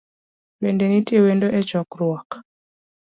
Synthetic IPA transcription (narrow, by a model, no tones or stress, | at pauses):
wendenitjewendoʔɛt͡ʃɔkɾwak